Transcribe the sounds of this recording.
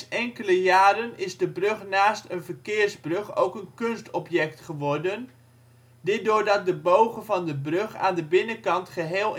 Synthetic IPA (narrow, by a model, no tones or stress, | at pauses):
ɛŋkələjaːɾənɪzdəbrøχnaːstənvərkɪːɹzbrøχo̰wkənkɵnstɔpjɛktχəʋɔrdən | dɪdʊːɹdɑt̚dəbowχəvɑndəbrøχa̰ːndəbɪnəkɑntχəɦeːlˠ